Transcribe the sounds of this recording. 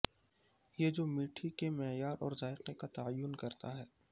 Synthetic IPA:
jed͡ʒoːmiːʈʰikemɛːjaːɾʔɔːɾzaːɪqekat̪aajːʊnkɐɾt̪aɦɛː

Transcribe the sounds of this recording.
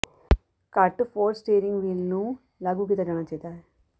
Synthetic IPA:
kɐʈːupoːɾsʈeːɾiŋɡʋilnu | lɐɡuɡit̪ɐd͡ʒɐɳɐt͡ʃɛːt̪aːj

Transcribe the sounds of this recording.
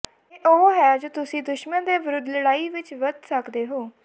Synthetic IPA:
eːʔoːɦɛːd͡ʒoːt̪ʊsĩːd̪ʊʃmənd̪eːʋəɾʊd̪ləɽaːiːʋɪt͡ʃʋəd̪səkd̪eːɦoː

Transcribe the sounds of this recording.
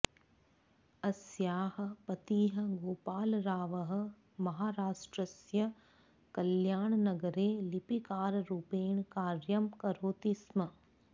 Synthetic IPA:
ɐsjaːhɐ̆pɐt̪iːɦɐ̆ɡoːpaːlɾaːʋɐɦɐ̆ | mɐɦaːɾaːʂʈɾɐsjɐ | kɐljaːɳnɐɡɐɾeːlipikaːɾɾupeːɳkaːɾjɐmkɐɾoːt̪ismɐ

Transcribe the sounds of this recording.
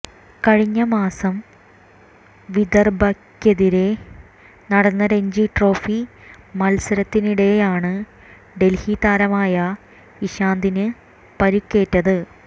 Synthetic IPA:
kɐɻiɲːɐmaːsɐm | ʋid̪ɐrbɐkʲːɐðiɾe̞ | nɐɽɐnːɐɾe̞ɲd͡ʑiʈro̞ːfimɐlsɐɾɐt̪ːiniɽe̞jaːɳɨ | ɖe̞lhiːt̪aːɾɐmaːjɐ | iɕaːnd̪inɨ | pɐɾikːe̞ːtːɐðɨ

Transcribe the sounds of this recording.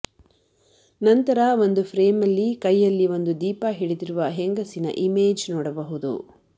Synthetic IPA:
nɐnt̪ɐɾɐʋo̞nd̪upʰɾeːmɐlːikɐjːɐlːiʋo̞nd̪ud̪iːpɐɦiɽid̪iɾuʋɐɦeŋɡɐsinɐ̰ʔimeːd͡ʒnɔːɽɐbɐɦud̪ṵ

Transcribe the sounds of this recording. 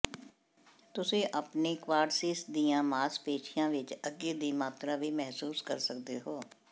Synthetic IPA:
t̪ʊsẽːʔəpneːkʋaːɾsɪsd̪ijãːmaːspeːt͡ʃʰɪjãːʋɪt͡ʃəɡeːd̪iːmaːt̪ɾaːʋiːmɛɦsuːskəɾsək̚d̪eːɦoː

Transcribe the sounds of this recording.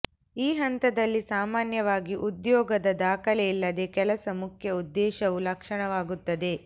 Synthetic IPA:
iːɦɐnt̪ɐd̪ɐlːisaːmaːnjɐʋaːɡiʔud̪jɔːɡɐd̪ɐd̪aːkʰɐlɛilːɐd̪e̞kɛlɐsɐmukʰjɐud̪ːɛːʃɐʋulɐkʂɐɳɐʋaːɡut̪ːɐd̪e̞

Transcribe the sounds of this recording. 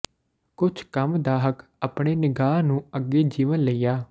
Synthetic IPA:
kʊt͡ʃʰkəmd̪aːɦək | əpɳ̃eːnɪɡaːnũːəɡeːd͡ʒiːʋənləiːjaː

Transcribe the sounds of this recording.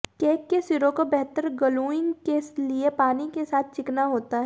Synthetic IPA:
keːkːesɪɾõkobɛɦt̪əɾɡɐluːɪ̃ŋɡkesliepaːnikesaːt̪̚ʰt͡ʃɪknaɦoːt̪aɦɛ

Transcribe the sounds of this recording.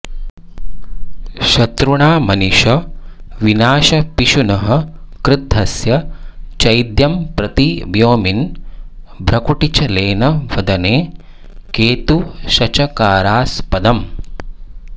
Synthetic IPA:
ʃɐt̪ɾuɳaːmɐniʃɐʋinaːʃɐpiʃunɐɦɐ̆kɾɪd̪ʱːɐsjɐt͡ʃɐjd̪jɐmpɾɐt̪iʋjoːmin | bʱɾɐkuʈit͡ʃɐleːnɐʋɐd̪ɐneː | keːt̪uʃɐt͡ʃɐkaːɾaːspɐd̪ɐm

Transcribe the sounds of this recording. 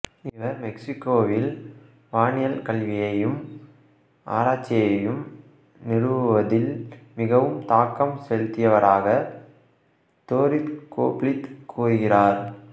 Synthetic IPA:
ɪʋɐɾmɛksɪkːoːʋɪl | ʋaːnɪjɐlkɐɭʋɪjɐjɯm | ʔa̰ːɾaːt͡ʃːɪjɐjɯm | nɪɽɯʋɯʋɐðɪlmɪɣɐʋɯmt̪aːkːɐmsɛɻt̪ɪjɐʋɐɾaːɣɐ | t̪oːɾɪt̪ko̰ːpɭɪt̪kʰːuːɾɯɣɪraːɾ

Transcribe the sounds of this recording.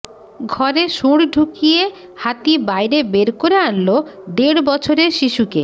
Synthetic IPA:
ɡʱɔɾeʃuɽ̃ɖʱukije | hat̪ibajɾebeɾkoɾeanlod̪eɽbɔt͡ɕʰoɾeɾʃiʃuke

